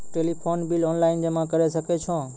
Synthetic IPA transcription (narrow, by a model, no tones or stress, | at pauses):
ʈeːlipʰoːnbɪlɔːnlaːɪnd͡ʑemãkəɾesəkʰet͡ʃʰõː